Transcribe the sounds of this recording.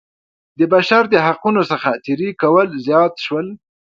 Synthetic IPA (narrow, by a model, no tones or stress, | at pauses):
d̪əbaʃaɾd̪əɦaqunosəxat̪iɾikawəlzjɑt̪ʃwəl